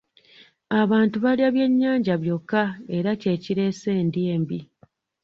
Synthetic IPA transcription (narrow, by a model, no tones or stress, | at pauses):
aβaːntuβaliaβje̞ɲːaːɲɟaβjo̞kːae̞ɾace̞ːciɾe̞ːse̞ːndjeːmbi